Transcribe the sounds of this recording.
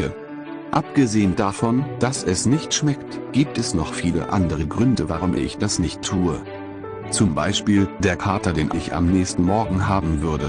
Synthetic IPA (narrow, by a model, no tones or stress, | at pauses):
ə | ʔap̚ɡ̥əzeːəndafɔnd̥asɛsnɪçtʃmɛktɡ̥iːp̚tɛsnɔχfiːlə̰ʔandəʁ̞əɡʁʏndəvaʁ̞ʊmʔɪ̰çd̥asnɪçtʰːuːə | t͡sʊmba̰ɪʃpiːld̥eːɐkʰaɐtɐdeːnʔɪça̰mnɛːçstn̩mɔɐɡŋ̩ɦaːbm̩vʏɐdə